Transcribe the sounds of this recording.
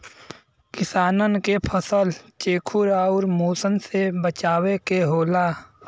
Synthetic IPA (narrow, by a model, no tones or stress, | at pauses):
kɪsaːnənkepʰəsəlt͡ʃeːkʰuɾaːɔːɾmoːsənsebət͡ʃaːwekeɦoːlaː